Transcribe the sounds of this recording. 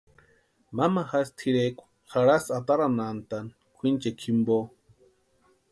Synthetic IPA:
mamaxast̪ʰiɾekʷḁ | xaɾasat̪aɾanant̪an | kʷʰint͡ʃekʰimbo

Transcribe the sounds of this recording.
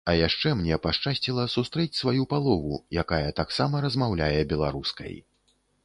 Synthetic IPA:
ɐjaʂt͡ʂɛmnʲɛpaʂt͡ʂasʲt͡sʲilˠɐsust̪ɾɛt͡sʲsvajupalˠɔvṵjakajɐt̪aksamɐɾɐzmawlʲajɛbʲɛlˠa̰ɾuskɐ̰j

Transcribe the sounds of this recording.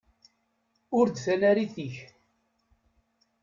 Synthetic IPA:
ʊɾd̪θænæɾiθiç

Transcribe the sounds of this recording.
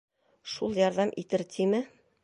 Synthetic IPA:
ʃulˠjɒɾðɑmʔit̪ɘɾt̪ʰimɘ

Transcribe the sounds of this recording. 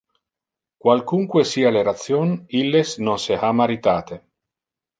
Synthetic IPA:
kwalkuŋkwesiːaleɾat̪sjonilːesnonseamaɾit̪aːt̪e

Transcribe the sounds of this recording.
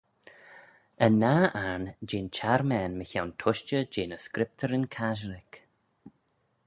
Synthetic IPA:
ənːaːʔand͡ʒeːnt͡ʃʰaɾmɛːnməçawntʰʊʃt͡ʃəd͡ʒeːnəskɾɪp̚tʰəɾɪnkʰaʒəɾɪk

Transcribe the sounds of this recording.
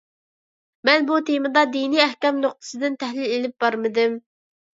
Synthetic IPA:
mɛnbut̪ʰemɨd̪ɑd̪iniæhkʲɛmnoq̚t̪ʰə̥sɨd̪ɪnt̪ʰæhlɪlelɪp̚bɑɾmɨd̪ɨm

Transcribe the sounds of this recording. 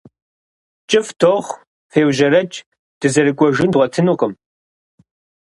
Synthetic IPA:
t͡ʃʼɪftʰoːʁ | feːwʑɐɾɐt͡ʃʼ | d̥ɨzɐɾɨkʷʼɔʒɪndʁʷɔtʰɨnuːqʼəm

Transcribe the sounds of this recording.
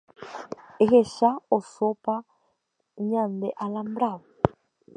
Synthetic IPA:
eɣeʃaosopa | ɲand̪ɛʔalambɾaβɔ

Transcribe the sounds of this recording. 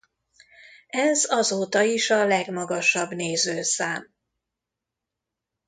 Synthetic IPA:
ɛzɒzoːt̪ɒiʃɒlɛɡmɒɡɒʃɒbneːzøːsaːm

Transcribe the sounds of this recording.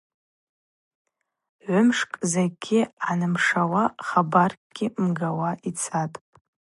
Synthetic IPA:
ʕʷʊmʂkʼzeɡʲɪʕanɨmʂawaχabarkʼɡ̥ʲɪmɡawaʔit͡sʰatʼ

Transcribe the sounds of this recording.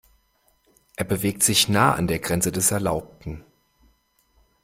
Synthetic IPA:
ʔeːɐbəveːk̚tz̥ɪçnaːəa̰ndeːɐɡʁɛnt͡sədɛsɛɐlaʊp̚tn̩

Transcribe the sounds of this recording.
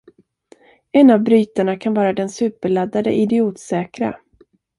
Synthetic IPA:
ɛnːavbɾyːt̪aɳakʰanvɑːɾad̪ɛnsʉ̟ːpəɭad̪ːad̪ə̰ʔɪd̪ɪuːt̪sɛːkɾa̰

